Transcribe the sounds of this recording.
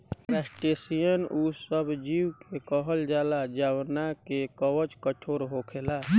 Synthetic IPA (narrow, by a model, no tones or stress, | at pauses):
pɛːsʈesijənusəbd͡ʒiːwkekɔɦəld͡ʒaːlad͡ʒaːwnakekɔwət͡ʃkət͡ʃʰoːɾɦokʰeːlaː